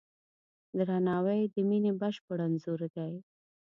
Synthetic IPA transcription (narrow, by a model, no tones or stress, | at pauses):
d̪ɾanɑwəjd̪əminebaʃpəɽanzoɾd̪aj